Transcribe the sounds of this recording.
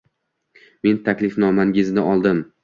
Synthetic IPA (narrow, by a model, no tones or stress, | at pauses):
me̞nt̪ʰakʲlɪfnɒmaŋʲɪznɪɒlˠd̪ɪm